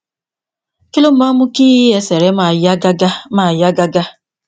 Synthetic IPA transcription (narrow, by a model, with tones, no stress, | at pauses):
ki˦lo˦m̩˦ma˦mʊ˦ki˦e˨se˨ɾe˦m˨˦ɡa˦ɡa˦ma˨ja˦ɡa˦ɡa˦